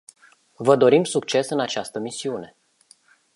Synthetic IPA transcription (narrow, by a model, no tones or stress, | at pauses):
vəd̪o̞ɾimsukt͡ʃe̞sɨnat͡ʃast̪əmisiune̞